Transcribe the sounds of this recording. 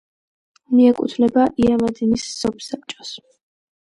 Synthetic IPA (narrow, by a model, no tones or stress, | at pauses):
miɛkʼṵt̪ʰvnɛbaʔiamad̪inisːɔpsap̚t͡ʃʼɔs